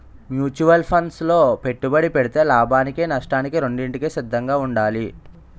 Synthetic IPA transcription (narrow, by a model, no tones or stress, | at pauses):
mjuːt͡ʃuʋɐlpʰɐnslo̞ːpe̞ʈːubɐɽipeɽit̪e̞ːlaːbʱaːnikenɐʂʈaːnikiɾe̞ɳɖiɳʈikeːsid̪ʱːɐŋɡaːuɳɖaːli